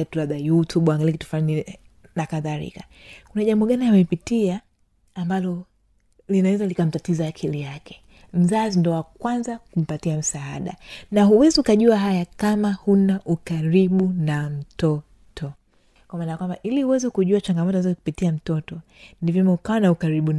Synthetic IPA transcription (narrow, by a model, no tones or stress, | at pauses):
atulaɓajutuɓaŋɡaliɛkitu̥flaini | nakaðaɾḭka | kunaʄambɔɠanijamɛpitiaː | mbalɔ | linawɛzalikam̩tatizaːkʰilijakɛ̥ | m̩zazindɔwakwanzakum̩patiam̩saaɗa̰naɦuwɛziukaʄuaɦajakamahunaʔukaɾiɓunam̩tɔ | tʰɔ | kwamaːnajakwamba̰ʔilihuwɛzɛkuʄuat͡ʃaŋɡamɔtɔzɔikupitiam̩tɔtɔ | nivjɔmɛukanaukaɾiɓu